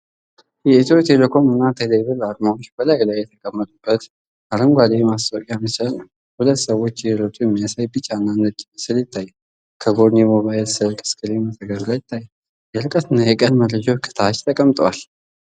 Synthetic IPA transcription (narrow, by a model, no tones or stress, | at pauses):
jɛit̪ʰot̪ʰelekʰo̞mɨnːat̪ʰelebɨlad̪maot͡ʃːbəlajlajːɛt̪ʰəkʼəmːət̪ʼubːət̪ | ʔaɾəmɡʷad̪emast̪ʼwkʼjamət͡ʃnəw | hulət̪ːsəwːo̞t͡ʃːɛɾot̪ʼujɛmːiasajbɨt͡ʃʼːanːanːət͡ʃʼsɨlɪt̪ʰːaj | kʰəɡo̞dnemoβaɪlsɨlkʼɨ̥skʰʼɨɾimət̪ʰəɡəɾɡajt̪ʰːajː | jɛɾɨkʼət̪ɨnːajɛkʼənməlːəd͡ʒawkʰɨ̥t̪ʰat͡ʃt̪ʰəkʼəmt̪ʼəwal